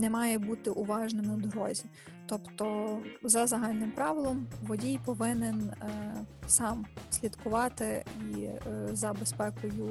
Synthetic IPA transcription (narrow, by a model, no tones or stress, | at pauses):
nɛmɑjɛbut̪ɪʔʊʋɑʒnɪmɪd̪ɾɔ̰zʲi | t̪ɔpt̪ɔzɐzɐɦɑlʲnɪmpɾɑʋɪlˠɔmʋɔdʲijpɔʋɪnɪn | sɑmsʲlʲid̪kʊʋɑt̪ɪizɐbespɛkʊju